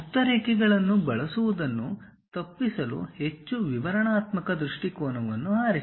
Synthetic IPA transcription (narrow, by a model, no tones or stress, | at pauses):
ut̪ːɐɾeːkɛɡɐɭɐnːubɐɭɐsuʋud̪ɐnːu | t̪ɐpːisɐlṵhe̞t͡ʃːuʋiʋɐɾɐɳaːt̪mɐkɐd̪ɾuʂʈikɔːnɐʋɐnːuaːɾi